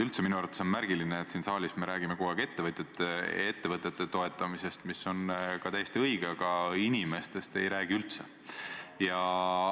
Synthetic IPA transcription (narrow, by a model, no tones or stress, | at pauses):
ylt̪seminuɑɾrɑt̪eso̞nmæɾɡ̥ilineːt̪siːnsɑːlʲisme̞ɾæːɡ̥ime̞koeɡ̥e̞t̪ːe̞vɤt̪ʲːet̪ːˑee̞t̪ːe̞vɤt̪ːˑe̞t̪ːe̞t̪o̞e̞t̪ːˑɑmise̞st̪misːo̞nkɑt̪æjːest̪iɤiɡ̥eɑkɑinʲime̞st̪e̞st̪e̞̰jɾæːɡ̥iylt̪se | jɑ